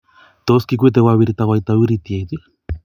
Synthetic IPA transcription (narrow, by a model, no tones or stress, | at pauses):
t̪oskik̬ʷit̪ewaβiɾit̪awajt̪aβiɾit̪iejt̪i